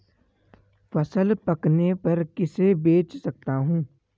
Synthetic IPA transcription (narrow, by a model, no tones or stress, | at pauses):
fɐsəlpɐknepɐɾkɪsebeːt͡ʃsɐk̚t̪aɦũː